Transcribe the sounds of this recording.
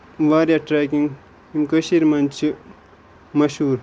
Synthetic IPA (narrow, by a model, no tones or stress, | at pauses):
ʋaːɾijaʈɾaːkiŋ | imkəʃiɾmɐnt͡ʃʰi | mɐʃhuːɾ